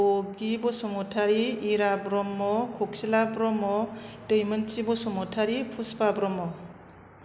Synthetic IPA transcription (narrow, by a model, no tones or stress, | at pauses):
oɡibɔsɔmɔtʰaɾiːɾabɾɔmːɔkʰok̚silabɾɔmɔtɯjmənt͡ʃibɔsɔmɔtʰaɾipʰuspabɾɔmɔ